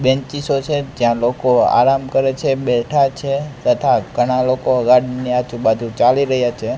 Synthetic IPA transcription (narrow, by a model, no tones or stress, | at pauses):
bɛ̃nt͡ʃisot͡ʃʰed͡ʒjãlokoa̰ɾamkəɾet͡ʃʰeɓɛʈʰat͡ʃʰet̪ət̪ʰaɡʱəɽ̃alokoəɡaɽniat͡ʃubad̪ʱũt͡ʃaliɾəɦjat͡ʃʰe